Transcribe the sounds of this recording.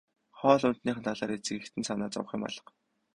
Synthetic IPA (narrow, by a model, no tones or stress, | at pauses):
χɔːɮʊnt̪niːχɘ̆nt̪ʰaɮaːɾet͡sɘ̆ɣɘ̆kt̪ʰɘ̆nsanaːt͡sɔ̰w̆χʲĭmɔ̰ɮə̥̆q